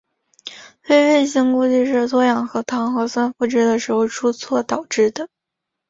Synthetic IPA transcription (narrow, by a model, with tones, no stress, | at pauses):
twe˥˧ɪwe˥˩ɪɕi˥ŋku˥˧t͡ɕi˥˧ʂ̬ɻ̩˥˧t͡s̪ʰwɔ˥jɑ˨˩ŋxɤ˧˥t̪ʰɑ˧˥ŋxɤ˧˥swa˥nfu˥˩ʈ͡ʂɻ̩˥d̪ə˨ʂɻ̩˧˥xo˧˩ʈ͡ʂʰu˥t͡sʰwɔ˥˩t̪ɑ˨˩ʊʈ͡ʂɻ̩˥˩d̪ə˩